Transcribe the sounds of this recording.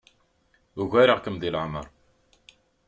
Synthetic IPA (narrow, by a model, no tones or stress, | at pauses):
uʝæɾəʁkəmd̪ilʕmə̰ɾˤ